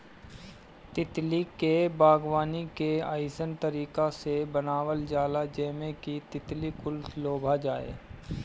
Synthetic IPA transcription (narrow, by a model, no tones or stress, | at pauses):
t̪ɪt̪likebaːɡwaːnikea̰ːɪsənt̪əɾiːkasebənaːwəld͡ʒaːlad͡ʒeːmẽkit̪ɪt̪likʊlsloːbʱad͡ʒaːḛː